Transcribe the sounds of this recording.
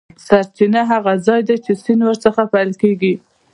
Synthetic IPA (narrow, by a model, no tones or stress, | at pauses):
saɾt͡ʃinaɦaɣazɑjd̪at͡ʃesinwəɾt͡səxapajlkeɡi